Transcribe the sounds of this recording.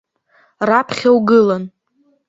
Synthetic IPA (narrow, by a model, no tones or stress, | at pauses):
rapʰχʲawɡɨlan